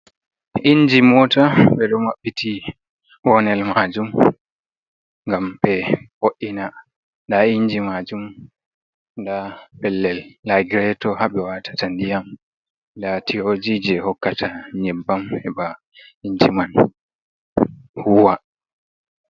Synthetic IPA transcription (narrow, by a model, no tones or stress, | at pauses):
ʔiɲd͡ʒimɔtaɓɛɗɔmaɓːiti | wɔnɛlmad͡ʒum | ŋɡambɛhoʔːina | ndaiɲd͡ʒimad͡ʒum | ndapɛlːɛlːaɡɾɛtɔhaɓɛwatḁtandijam | datihod͡ʒid͡ʒɛhɔkːatʰaɲɛbːamɛɓa | iɲd͡ʒiman | huwa